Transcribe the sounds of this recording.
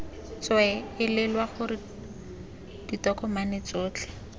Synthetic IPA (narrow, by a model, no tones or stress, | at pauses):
t͡swɛɪlɪlwaχʊrɪ | d̥itɔkɔmanɪt͡soːt͡ɬʰɛ̥